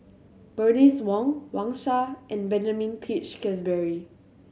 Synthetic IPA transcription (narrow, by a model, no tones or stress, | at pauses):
b̥əniswɔ̃ŋwãŋʃaʔɛ̃nbɛ̃nd͡ʒamĩnpʰit͡ʃkʰɛs̬bɛɹi